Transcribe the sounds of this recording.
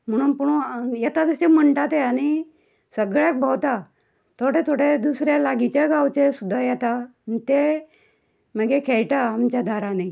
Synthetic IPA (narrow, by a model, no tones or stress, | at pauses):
m̤əɽ̃ũːnpuɽ̃ujɛt̪ad͡zəsem̤əɳʈat̪eaɽ̃i | səɡɭjak̚bʱəwt̪a | t̪ʰoɽet̪ʰoɽed̪usɾjalaɡit͡ɕaɡawt͡ɕesud̪ʱːajɛt̪anit̪e | məɡekʰeɭʈaːmt͡ɕjad̪ʱaɾane